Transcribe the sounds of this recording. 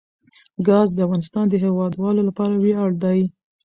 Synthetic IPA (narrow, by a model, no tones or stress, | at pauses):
ɡɑzd̪əafɣɑnɪst̪ɑnd̪əɦewɑd̪wɑlolapɑɾaweɑɽd̪ɑji